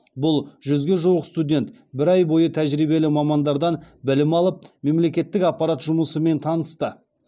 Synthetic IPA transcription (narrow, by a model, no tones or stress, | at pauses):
bʊlˠʒʏzɡʲe̞ʒuwəqst̪udʲe̞nt̪ | bɪɾɑjbo̞jət̪ʰæʒɾijbe̞lɪmɑmɑnd̪ɑɾd̪ɑnbɪlɪmɑlˠəp̚me̞mle̞kʲe̞t̪ːɪkɑq̚pːɑɾat̪ʒʊməsəme̞nt̪ʰɑnəst̪ə